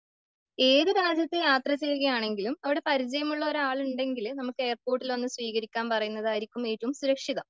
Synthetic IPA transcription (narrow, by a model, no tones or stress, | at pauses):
e̞ːðɨɾaːd͡ʑjɐt̪ːejaːt̪rɐt͡ɕeːɾuɣɐjaːɳe̞ŋɡilumɐʋiɽe̞pɐɾit͡ɕɐjɐmuɭːɐo̞ɾaːɭuɳɖe̞ŋɡilnɐmukːɨe̞ːrpo̞ːʈːilo̞nːuɨsʋiːɣɐɾikʲːaːnpɐrɐjunːɐðaːjɾikʲːume̞ːtːuʋumsuɾɐkʂiðɐm